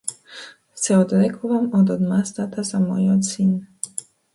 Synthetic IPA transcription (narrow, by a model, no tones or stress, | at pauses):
seɔd̪ɾekʰovamɔd̪ɔd̪mast̪at̪ʰasamɔ̰jɔd̪sin